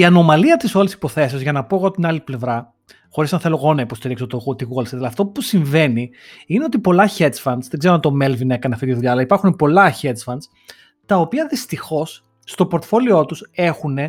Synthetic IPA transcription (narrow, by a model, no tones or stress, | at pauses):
iɐno̞mɐliɐt̪iso̞lesi̥po̞θe̞sio̞zʝɐnɐpo̞eɣo̞t̪inɐliple̞vɾɐ | xo̞ɾisnɐθe̞lo̞ɣo̞nɐipo̞st̪iɾiksot̪ot̪iɣuɣɐlset̪ɐlɐft̪o̞pusiɱve̞ni | ine̞o̞t̪ipo̞lɐçet͡sfɐnsðeɡzeɾɐnt̪o̞me̞lvine̞kɐneɐft̪it̪iðuʎɐːlɐipɐɾxunepo̞lɐçe̞t͡sfɐns | t̪ɐo̞piɐðist̪ixo̞sː | t̪o̞poɾt̪fo̞lio̞t̪use̞xune̞